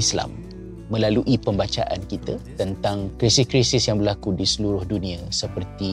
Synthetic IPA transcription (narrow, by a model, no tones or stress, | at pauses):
isla̰mː | ə̃laluʔipəmbat͡ʃa̰ʔa̰nkit̪at̪ənt̪aŋkɾisiskɾisɪsjaŋbərlakudisəluɾʊhdunĩasəpərt̪i